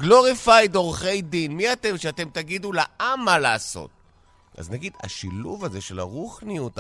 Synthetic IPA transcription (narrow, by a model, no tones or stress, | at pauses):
ɡloʁifajd̪o̞ʁχe̞jd̪inmiat̪e̞mʃeat̪e̞mt̪aɡid̪ulaʔamːalaːso̰t̚ | a̰znaɡida̰ʃiluvaze̞ʃela̰ʁuχnijut̪